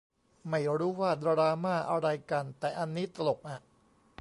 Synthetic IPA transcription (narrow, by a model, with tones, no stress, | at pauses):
ma˥˩jɾuː˦˥waː˥˩d̪a˧ɾaː˧maː˥˩ʔa˧ɾa˧jka˧nt̪ɛː˨˩ʔa˧nːiː˦˥t̪a˧lo˨˩k̚ʔa˨˩